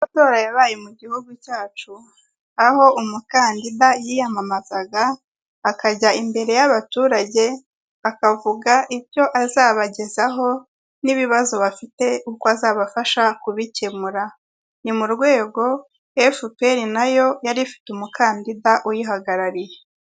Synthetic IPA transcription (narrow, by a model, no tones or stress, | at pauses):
mato̞ːɾajaβaːjemuɟihuɡucaːt͡ʃu | aho̞umukaːndidajijamamazaɡaː | kaɟaimbe̞ɾe̞jaβatuːɾaɟe̞ | akavuɡaʔiɾjo̞ʔazaːβaɟe̞zaɦo̞ | niβiβazo̞βafite̞ukoazaːβafaʃakuβicemuɾa | nimuɾɡwe̞ːɡo̞ | efupe̞ɾinajo̞jaɾifi̥tumukʰaːndidaʔujiɦaɡaɾaɾije